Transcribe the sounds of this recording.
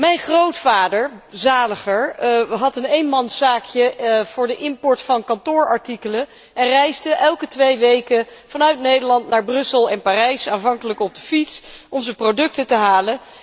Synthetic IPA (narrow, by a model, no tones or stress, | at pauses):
mɛjnχrowtfaːdəɹzaːləχəɹɦɑtənejnmɑnsaːkjəv̥ʊːɹdəʔɪmpɔɹtfɑnkɑntʊːɹɑ̰ɹtikələ | ɛnrɛjzdəʔɛlˠkətʋejʋejkəfɑnœɥtnejdəɹlɑntnaːɹbrɵsəlˠɛnparɛjsaːnvɑŋkələkɔb̚dəfitsɔmzəprodɵk̚tətəɦaːlən